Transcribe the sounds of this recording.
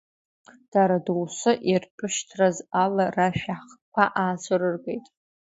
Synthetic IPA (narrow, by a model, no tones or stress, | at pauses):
d̥aɾaduwsɨʔirpʷʰʼʊʃtʰrazalaraʃᶣaχkʷʰaʔaːt͡sʷʰorɨrɡʼejtʼ